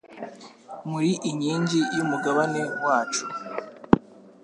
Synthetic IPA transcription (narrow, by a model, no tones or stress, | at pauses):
muɾiʔiɲiːɲɟijumuɡaβane̞waːt͡ʃu̥